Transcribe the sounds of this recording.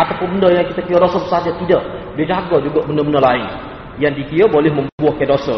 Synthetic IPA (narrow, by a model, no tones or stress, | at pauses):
at̪apʊnbəndəjaŋkit̪akijadosəbəsad͡ʒat̪idaʔ | did͡ʒaɡad͡ʒuɡaʔbəndəbəndalaɪn | jaŋdikiəbolɛhmə̃mbəbuahkadosə̰